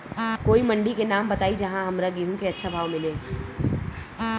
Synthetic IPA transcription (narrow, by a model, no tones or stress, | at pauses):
koːiməɳɖikenaːmbət̪aːid͡ʒɐɦãɦəmɾaɡiɦũkeɐtːʃʰabʱaːʋmɪle